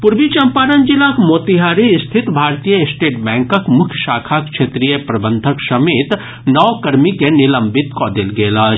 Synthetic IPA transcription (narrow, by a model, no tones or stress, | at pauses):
pʊɾbit͡ʃɐmpaːɾənd͡ʒɪlakmoːt̪iɦaːɾist̪ʰɪt̪bʱaːɾt̪ijəɪsʈeːʈbɛ̃ːŋkəkmʊkʰjʃaːkʰakʃeːt̪ɾijəpɾɐbə̃nd̪ʱəksɐmeːt̪ | nɔːkɐɾmikenɪlə̃mbɪt̪kɔːd̪elɡeːlaː